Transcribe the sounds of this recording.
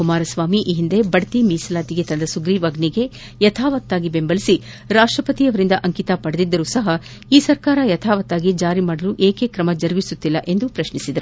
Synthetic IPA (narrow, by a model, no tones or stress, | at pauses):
kumaːɾɐsʋaːmiʔiːɦind̪e̞bɐɽɐt̪imiːsɐlaːt̪iɡe̞t̪ɐnd̪ɐsuɡɾiːʋɐɡniɡe̞ | jɐt̪ʰaːʋɐt̪ːaːɡibe̞mbɐlisi | ɾaːʂʈɾɐpɐt̪iɐʋɐɾind̪ɐʔɐŋkit̪ɐpɐɽɐd̪id̪ːɐɾusɐɦɐ | iːsɐɾkaːɾɐjɐt̪ʰaːʋɐt̪ːaːɡid͡ʒaːɾimaːɽɐluʔeːkekɾɐmɐd͡ʒɐɾʋisut̪ːilːɐʔe̞nd̪upɾɐʃnisid̪ɐɾu